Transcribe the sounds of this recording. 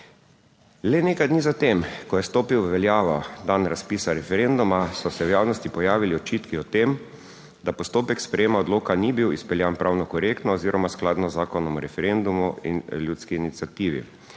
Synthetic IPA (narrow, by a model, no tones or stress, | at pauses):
lɛneːkajd̪nizat̪emkɔjɛst̪oːpiwʋɛljaːʋɔd̪anɾaspiːsaɾɛfɛɾend̪umasɔsɛwjaːwnɔst̪ipɔjaːʋiliɔt͡ʃiːt̪kiɔt̪em | d̪apɔst̪oːpɛkspɾɛjeːmaɔd̪loːkanibiwispɛljanpɾaːwnɔkɔɾeːkt̪nɔɔziːɾʔɔmasklaːd̪nɔzːaːkɔnɔmuɾɛfɛɾend̪umuḭnljuːt̪skinit̪siat̪iːʋḭ